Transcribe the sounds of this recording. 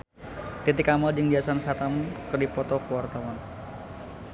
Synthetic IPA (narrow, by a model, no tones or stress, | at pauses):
t̪it̪ikamɔld͡ʒɨŋdiasansat̪amkədipɔt̪ɔkuwart̪awan